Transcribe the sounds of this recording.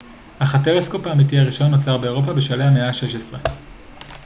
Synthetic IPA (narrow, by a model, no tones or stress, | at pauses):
haχateʁesko̞paːmit̬ihaʁiʃo̞nːot͡saʁbe̞eʁ̞o̞pabeʃaleameaʃe̞ʃesʁe